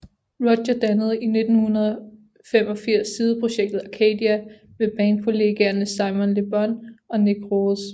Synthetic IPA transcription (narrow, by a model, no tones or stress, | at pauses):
ʁɒ̥ɕɐd̥ænəð̞ˠəine̝d̥n̩hunɐðˠ | fem̰ɒ̽fiɐ̰sːiːð̞ˠəpʰʁo̝ɕeɡ̥̚d̥ð̞̩ˠækʰed̥iæ | meb̥ɛːnkʰo̝le̝ɡ̥eɐnəsɑ̈ɪmɔ̽nleb̥ɒnɒ̽neɡ̥ʁos